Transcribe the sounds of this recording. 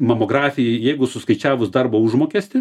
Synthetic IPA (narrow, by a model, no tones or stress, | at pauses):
mɐmoːɡrɑːfʲɪjɛɪjɛɪɡʊsʊskɐɪt͡ʃʲæːʋʊsd̪ɐrboːʊʒmoːkʲɛsʲt̪ʲɪ